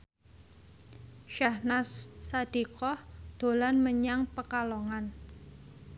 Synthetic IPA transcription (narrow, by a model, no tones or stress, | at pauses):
ʃahnasad̪̥i̤kɔhd̪̥o̤lanməɲaŋpəkalɔŋan